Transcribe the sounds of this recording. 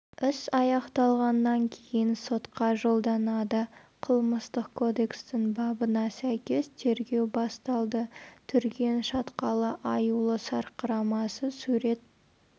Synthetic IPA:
ʏsɑjɑqt̪ɑlˠʁɑnːɑŋkʲʰejɪnso̞t̪qɑʒo̞lˠd̪ɑnɑd̪ə | qʰəlˠməst̪əqkʰo̞d̪e̞kst̪ɪŋbɑbənɑsæjkʲe̞st̪ʰe̞ɾɡʲe̞wbɑst̪ɑlˠd̪ət̪ʰʏɾɡʲenʃɑt̪qɑlˠəʔɑjulˠəsɑɾqəɾɑmɑsəsuɾe̞t̪̚

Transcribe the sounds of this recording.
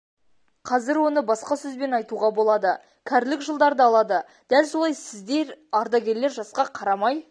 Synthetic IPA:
qʰɑzɪɾwo̞nəbɑsqɑsɵzbe̞nɑjt̪uʁɑbo̞lˠɑd̪ə | kʲʰæɾlɪkʒəlˠd̪ɑɾd̪əɑlˠɑd̪ə | d̪̥ælso̞lˠɑjsɪzd̪e̞ɾɑɾd̪ɑɡʲe̞ɾle̞ɾʒɑsqɑqʰɑɾɑmɑj

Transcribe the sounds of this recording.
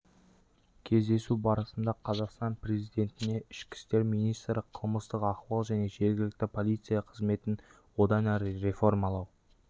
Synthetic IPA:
kʲʰe̞zd̪e̞subɑɾəsənd̪ɑqʰɑzɑqst̪ɑnpre̞zijd̪e̞nt̪ɪne̞ɪʃkʲɪ̥st̪e̞ɾmijnijst̪ɾəqʰəlˠməst̪əqɑqwɑlˠʒæne̞ʒe̞ɾɡʲɪlɪk̚t̪ɪpʰo̞lijt̪sɨjɑqʰəzme̞t̪ɪn | wo̞d̪ɑnæɾɪɾe̞fo̞rmɑlˠɑw

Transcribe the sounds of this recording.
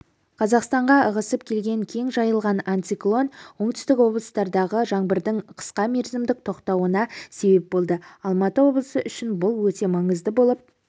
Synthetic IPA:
qʰɑzɑqst̪ɑɴʁɑəʁəsəpkʲʰe̞lɡʲe̞ŋkʲʰe̞ŋʒɑjəlˠʁɑnant̪iklˠo̞nwo̞ɴt̪ʏ̥st̪ɪkwo̞blˠəst̪ɑɾd̪ɑʁəʒɑŋbɪɾd̪ɪŋqʰə̥sqɑme̞ɾzɪmd̪ɪk̚t̪ʰo̞qt̪ɑwənɑse̞be̞p̚bo̞lˠd̪əɑlˠmɑt̪əwo̞blˠəsəʔʏʃɪnbʊlˠwɵt̪e̞mɑɴəzd̪əbo̞lˠəp̚

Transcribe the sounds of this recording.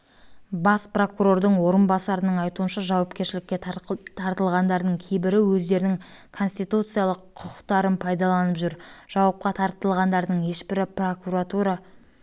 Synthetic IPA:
bɑspro̞kuɾo̞ɾd̪əɴwo̞ɾənbɑsɑɾənəɴɑjt̪uənʃɑʒɑwɑpkʲe̞ɾʃɪlɪkʲːe̞tt̪ʰɑɾt̪əlˠʁɑnd̪ɑɾd̪əɴkʲʰejbɪɾɪwɵzd̪e̞ɾɪnɪŋ | kʰo̞nsʲt̪ijt̪ut̪sɨjalˠəqʰːʊ̥qə̥qt̪ɑɾənpʰɑjd̪ɑlˠɑnəpʒʏɾʒ̥ɑwɑp̚qɑt̪ʰɑɾt̪əlˠʁɑnd̪ɑɾd̪əɴje̞ʃbɪɾɪpro̞kuɾat̪uɾɑ

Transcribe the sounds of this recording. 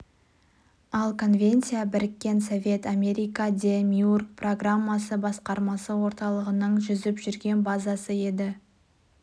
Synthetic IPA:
ɑlˠkʰo̞nvʲe̞nt̪sijabɪɾɪkʲːe̞nsovʲe̞t̪amʲe̞ɾʲijkad̪ʲemʲjurk̚pro̞ɡramːɑsəbɑsqɑɾmɑsəwo̞ɾt̪ɑlˠəʁənəɴʒʏzɪpʒʏɾɡʲe̞nbazɑsəe̞d̪ɪ

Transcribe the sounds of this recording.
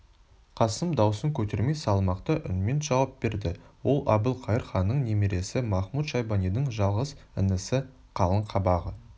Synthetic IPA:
qʰɑsəmd̪ɑwsəŋkʲʰɵt̪e̞ɾme̞jsɑlˠmɑqt̪əʔʏ̰nme̞nʒɑwɑp̚be̞ɾd̪ɪwo̞lˠʔɑbəlˠqʰɑjəɾχɑnːəɴnemeɾe̞sɪmɑχmut̪ʃɑjbɑnijd̪əɴʒɑlˠʁəzɪnɪsɪ | qʰɑlˠəɴqʰɑbɑʁə

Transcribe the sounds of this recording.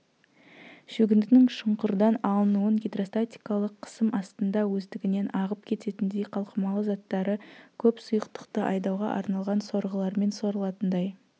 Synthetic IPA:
ʃɵɡʲɪnd̪ɪnɪŋʃʊɴqəɾd̪ɑnɑlˠənuənɡʲed̪ro̞st̪at̪ʲi̥jkɑlˠəqʰːə̥səmɑst̪ənd̪ɑwɵzd̪ɪɡʲɪne̞nʔɑʁəp̚kʲʰe̞t̪e̞t̪ɪnd̪ejqʰɑlˠqəmɑlˠəzɑt̪ːɑɾəkʲʰɵpsʊjəqt̪ə̥qt̪əʔɑjd̪ɑwʁɑ̰ʔɑ̰ɾnɑlˠʁɑnso̞ɾʁəlˠɑɾme̞nso̞ɾəlˠɑt̪ənd̪ɑj

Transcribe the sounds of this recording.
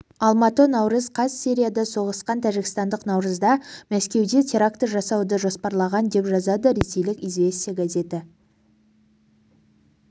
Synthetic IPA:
ɑlˠmɑt̪ənɑwɾəzqʰɑssʲiɾʲijad̪ɑso̞ʁəsqɑnt̪ʰæʒɪkɪst̪ɑnd̪əqnɑwɾəzd̪ɑmæskʲe̞wd̪e̞t̪ʲʰe̞ɾakt̪əʒɑsɑwd̪əʒo̞spɑɾlˠɑʁɑnd̪e̞pʒɑzɑd̪əɾe̞se̞jlɪkʲizvʲe̞st̪ijaɡaze̞t̪ɪ

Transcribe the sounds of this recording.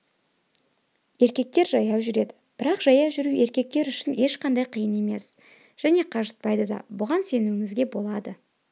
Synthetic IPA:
e̞ɾkʲe̞k̚t̪e̞ɾʒɑjɑwʒʏɾe̞d̪ɪ̥b̥ɪɾɑqʒɑjɑwʒʏɾue̞ɾkʲe̞k̚t̪e̞ɾʏʃɪne̞ʃqʰɑnd̪ɑjqʰijəne̞me̞̰s | ʒ̥æne̞qʰɑʒət̪̚pɑjd̪əd̪ɑ̰bʊʁɑnse̞nuwɪŋɪzɡʲe̞bo̞lˠɑd̪ə

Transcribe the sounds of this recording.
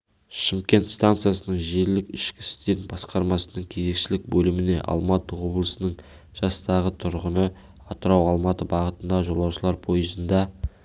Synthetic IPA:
ʃimkʲe̞nt̪st̪ant̪sɨjasənəɴʒeɾlɪkɪʃkʲɪ̥sɪ̥st̪e̞ɾɪnbɑsqɑɾmɑsənəɴkʲʰe̞ze̞kʃɪlɪk̚bɵlɪmɪne̞̰ʔɑ̰lˠmɑt̪əwo̞blˠəsənəɴ | ʒ̥ɑst̪ɑʁət̪ʰʊɾʁənə | ɑt̪əɾɑwɑlˠmɑt̪əbɑʁət̪ənd̪ɑʒo̞lˠɑwʃəlˠɑɾpʰo̞jəzənd̪ɑ

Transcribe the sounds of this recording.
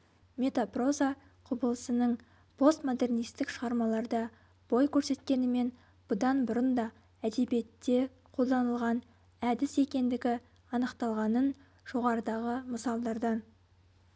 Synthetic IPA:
mʲe̞t̪apro̞za | qʰʊbəlˠəsənəɴ | pʰo̞st̪mo̞d̪e̞rnijst̪ɪkʃəʁɑɾmɑlˠɑɾd̪ɑ | b̥o̞jkʲʰɵɾse̞t̪kʲe̞nɪme̞n | b̥ʊd̪ɑnbʊɾənd̪ɑ | æd̪e̞bije̞t̪ːe̞ | qʰo̞lˠd̪ɑnəlˠʁɑn | æd̪ɪse̞kʲe̞nd̪ɪɡʲɪ | ɑnəqt̪ɑlˠʁɑnən | ʒ̥o̞ʁɑɾəd̪ɑʁəməsɑlˠd̪ɑɾd̪ə

